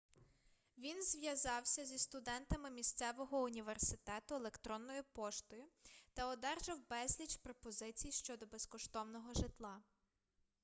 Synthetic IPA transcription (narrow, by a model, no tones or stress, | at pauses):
ʋʲinzʋʲjɐzɑwsʲɐzʲist̪ʊd̪ɛnt̪ɐmɪmʲisʲt̪sɛʋɔɦɔunʲiʋersɪt̪ɛt̪ʊelˠekt̪ɾɔnːɔjʊpɔʃt̪ɔjʊt̪ɐɔd̪ɛrʒɐwbɛzʲlʲit͡ʃpɾɔpɔzɪt͡sʲijʃt͡ʃɔd̪ɔbeskɔʃt̪ɔwnɔɦɔʒɪt̪lˠɑ